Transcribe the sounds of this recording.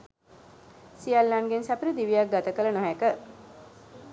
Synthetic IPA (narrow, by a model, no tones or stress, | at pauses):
sijalːaŋɡensæpəɾid̪iʋijak̚ɡat̪əkələnoɦækə